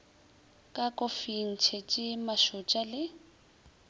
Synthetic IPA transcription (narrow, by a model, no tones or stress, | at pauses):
kʼakʼofin̩t͡ʃʰɛt͡ʃʼɪmaʃʊt͡ʃʼalɪ